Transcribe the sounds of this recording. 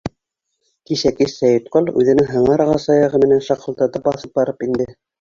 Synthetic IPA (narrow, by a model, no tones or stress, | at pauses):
kiʃækisæjɤ̆t̪qolˠʉ̰ðɘ̆nɘŋɦɤ̆ɴɑɾʁɑsɑjɑʁɤmɘ̆nænʃɑqɤ̆lˠt̪ɑt̪ɤpɑθɤp̚bɑɾɤpind̪ɘ